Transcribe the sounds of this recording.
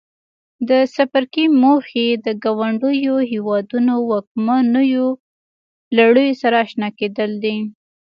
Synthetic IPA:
d̪əsapaɾkimoxed̪əɡɑwaɳɖəjoɦewɑd̪unowɑk̚manəjo | laɽujosaɾaːʃnɑked̪əld̪i

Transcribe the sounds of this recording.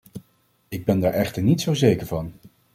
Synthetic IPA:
ɪɡ̚bɛndaːɹʔɛχtəɹnitsowzejkəɹvɑn

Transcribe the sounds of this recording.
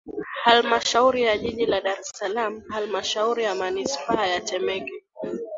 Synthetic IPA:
halmaʃauɾijaʄiʄilaɗaɾɛsalam̩halmaʃauɾijamanispaːjat͡ʃɛmɛkɛ

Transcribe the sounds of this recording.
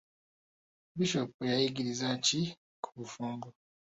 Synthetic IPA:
biʃopejajiɡiɾizaci | kʰu̥βufuːŋɡo

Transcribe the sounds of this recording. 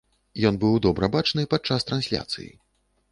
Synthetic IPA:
jɔnbɨwd̪ɔbɾɐbat͡ʂnɨpat͡ʂːast̪ɾansʲlʲa̰t̪sɨ̰jḭ

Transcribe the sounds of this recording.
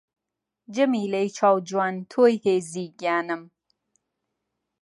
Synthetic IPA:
d͡ʒɐmiːlɐjt͡ʃʰɑːwd͡ʒwaːnt̪ʰoːjheːziːɡjaːnɨm

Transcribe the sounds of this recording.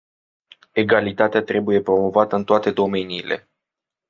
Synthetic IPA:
e̞ɡalit̪at̪eat̪ɾe̞buje̞pɾo̞mo̞vat̪əɨnt̪oat̪e̞d̪o̞me̞niːle̞̰

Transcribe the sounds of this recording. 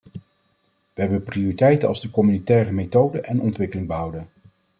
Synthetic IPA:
ʋəɦɛbənprioritɛjtənɑ̰lˠzdəkɔmynitɛːrəmetowdəʔɛnɔntʋɪkəlɪŋbəɦɑwdən

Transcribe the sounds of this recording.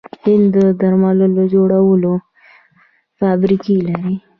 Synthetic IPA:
hɪnd̪əd̪aɾmaləlod͡ʒoɽawəlo | fabɾikilaɾi

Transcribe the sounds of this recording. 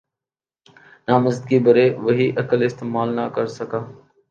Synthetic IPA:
naːməzd̪̚ɡiːbəɾeːʋəɦiːʔəkəlɪst̪eːmaːlnəkəɾsəkʰaː

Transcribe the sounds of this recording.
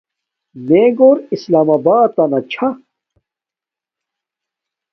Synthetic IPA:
mẽːɡoːɾislaːmaːbaːt̪ːanɐt͡ɕʰa

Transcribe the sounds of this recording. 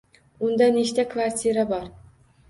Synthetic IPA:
und̪ɑniʃt̪ækʰvaɾʲt̪ʰʲiɾabɑɾ

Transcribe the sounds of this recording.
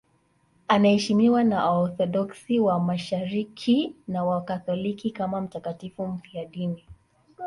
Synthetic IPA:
anahɛʃimiwanaɔɾθɔɗɔksiwamaʃaɾikʰinawakaθɔlikikamam̩takatifum̩piaɗini

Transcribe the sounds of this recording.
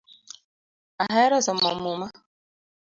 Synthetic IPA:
aɦaeɾɔsɔm̩ɔmuma

